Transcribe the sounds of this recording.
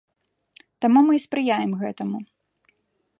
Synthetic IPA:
t̪amumɨspɾɨjajɛmɣɛt̪ɐmu

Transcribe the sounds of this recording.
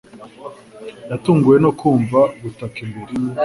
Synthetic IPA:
jatuːŋɡuje̞no̞kʰuːɱvaɡutakimbiɾi

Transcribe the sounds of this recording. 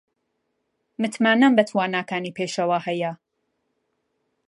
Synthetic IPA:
mɨt̪maːnɐmbɐt̪ʰwaːnaːkaːniːpʰeːʃɐwaːhɐjɐ

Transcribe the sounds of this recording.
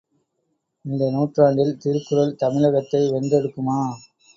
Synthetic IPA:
ɪnd̪ɐnuːʈraːɳɖɪlt̪iɾkːɯɾɐlt̪ɐmɪɭɐɣɐt̪ːɐɪʋɛndɛɽɯkːɯmaː

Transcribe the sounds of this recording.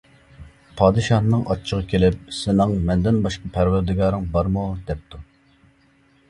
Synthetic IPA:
pʰɑːd̪ɨʃɑnːɨŋɑt͡ʃʰːəʁɑkʲʰelɪp̚sɪnɪŋmɛnd̪ɪnbɑʃqɑpʰæɾwæɾd̪ɪɡɑːɾɨŋbɑɾmud̪ɛp̚t̪ʰu

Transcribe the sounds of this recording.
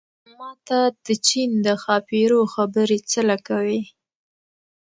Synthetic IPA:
mɑt̪ad̪̥ət͡ʃind̪əxɑpiɾoxabəɾet͡səlakawi

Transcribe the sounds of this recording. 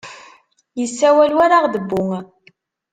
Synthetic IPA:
jəsːæwælwaɾaʁðəbːʊŋ

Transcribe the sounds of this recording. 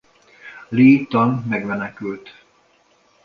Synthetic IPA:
liːt̪ɒnmɛɡmɛnɛkylt̪

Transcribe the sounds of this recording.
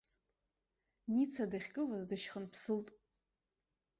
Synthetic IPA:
nit͡sʰadaχʲɡɨlazdɨʃχənpʰsɨltʼ

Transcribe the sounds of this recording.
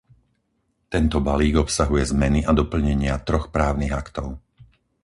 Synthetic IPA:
t̪ɛnt̪ɔbaliːɡɔpsaɦujɛzmɛniʔad̪ɔpl̩ɲɛɲɪat̪ɾɔxpɾaːʊniɣakt̪ɔʊ

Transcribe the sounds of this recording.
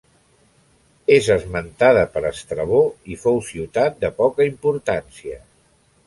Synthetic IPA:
ezəzmənt̪aðəpəɾəst̪ɾəβ̞oifowsiwt̪at̪̚d̪əpɔkəimpuɾt̪ansiə

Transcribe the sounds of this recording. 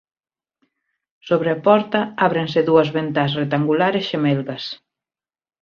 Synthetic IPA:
soβɾeapɔɾt̪ɐaβɾẽnseðuɐzβent̪asret̪aŋɡulaɾesʃemelɣɐs

